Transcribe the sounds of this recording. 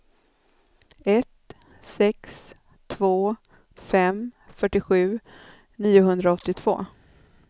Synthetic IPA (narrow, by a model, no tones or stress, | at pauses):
ɛt̪ | sɛks | t̪ʰvoː | fɛmfœʈːɪɧʉ̟ː | niːʊɦɵnd̪ɾaɔt̪ːɪt̪ʰv̥o̰ː